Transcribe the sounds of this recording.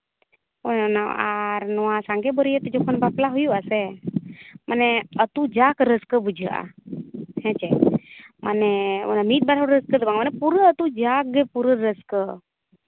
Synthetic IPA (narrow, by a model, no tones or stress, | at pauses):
onnaaɾnɔwasaŋɡebəɾijet̪əd͡ʒɔkʰonbaplaɦujuase | mʔaneət̪ud͡ʒakɾəskəbud͡ʒʱəʔa̰ | hɛ̃t͡ʃemʔa̰neo̰namit̪̚baɾaɦuɾɾəskət̪əbaŋɡmanɛpuɾəət̪ud͡ʒakɡəpuɾəɾəskə